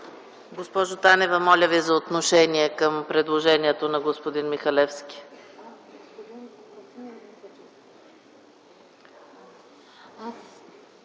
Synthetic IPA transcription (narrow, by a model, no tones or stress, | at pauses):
ɡospɔʒʊt̪anɛvəmɔlʲəvizɐot̪noʃɛniɛkəmpɾɛd̪lˠoʒɛniɛt̪onɐɡospod̪inmixɐlɛfskʲi̥